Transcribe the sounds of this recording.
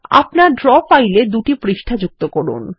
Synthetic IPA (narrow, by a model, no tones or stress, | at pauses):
a̰pnaɾɖɾɔpajled̪uʈipɾiʃʈʰad͡ʑuk̚t̪okɔɾṵn